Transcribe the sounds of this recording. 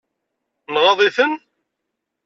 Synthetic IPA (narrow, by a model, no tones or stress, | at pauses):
nʁɑðˤiθən